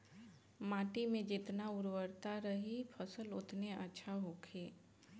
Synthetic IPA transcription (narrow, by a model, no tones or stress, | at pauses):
mãːʈimẽd͡ʒɪt̪naʊɾwəɾt̪aɾəɦipʰəsəlʊt̪neətːʃʰaɦokʰeː